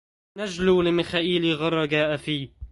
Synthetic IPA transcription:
nad͡ʒluːlɪmɪxaːʔiːliɣɑrˤːɑɡaːʔafiː

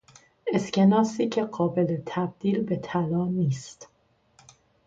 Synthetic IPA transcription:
e̞scʰe̞nɒːsiːcʰe̞ɢɒːbe̞let̪ʰæb̚d̪̥iːlbe̞t̪ʰælɒːniːst̪

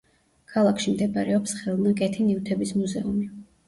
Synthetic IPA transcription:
kʰalˠakʰʃimd̪ɛbaɾɛɔpsχɛlˠnakʼɛt̪ʰinivt̪ʰɛbismuzɛumi

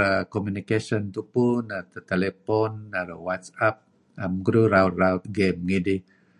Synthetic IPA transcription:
akomjunikasɔnt̪upunat̪ət̪elepɔnːaɾa̰wat̪sap̚ | amɡɾuɾawrawt̪̚ɡemɡidi

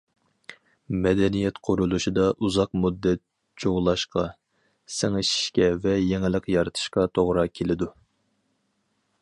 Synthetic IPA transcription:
mɛd̪ɛnijɛt̪qʰʊɾulˠuʃid̪ɑʔuzɑqmud̪ːɛt̪̚ | d͡ʒoʁlˠɑʃqɑ | sɪŋɪʃi̥ʃkʲɛvɛjeŋɪlɪqjɑɾɨt̪ʰɨ̥ʃqɑt̪ʰoʁɾɑkʲʰelɪd̪u

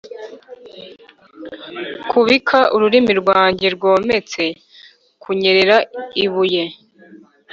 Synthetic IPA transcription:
kʰuβikʰaʔuɾuɾimiɾɡwaːɲɟeɾɡoːme̞t͡se̞ | kʰuɲe̞ɾeɾaiβuje

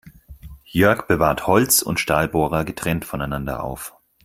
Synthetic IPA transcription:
jœɐkb̥əvaːɐthɔlt͡sʊ̰ntʃtaːlboːʁɐɡətʁ̥ɛntfɔnaɪnandɐ̰ʔa̰ʊf

